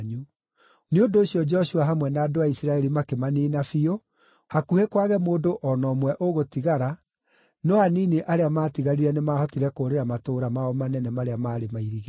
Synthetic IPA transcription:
ɲu | neondoːɕijɔd͡ʒɔɕuaɦamwɛnaːdoaisiɾaɛɾimakemaniːnafio | hakuhekwaɣɛmoːdoʔɔnɔmwɛʔoɣotiɣaɾa | nɔaniːneʔaɾeamaːtiɣaɾiɾɛnemaːhɔtiɾɛkoːɾeɾamatoːɾamaɔmanɛnɛmaɾeamaːɾemaiðiɣe

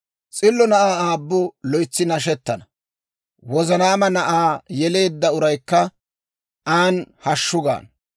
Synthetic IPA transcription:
t͡sʼɪlːɔnɐʔaːaːbːʊlɔjt͡sːɪnɐʃ̬ɛt̪ːɐnɐ | wɔzɐnaːmɐnɐʔaːjɛle̞ːd̪ːɐʊɾɐjkːɐ | ʔaːnhɐʃːʊɡa̰ːn

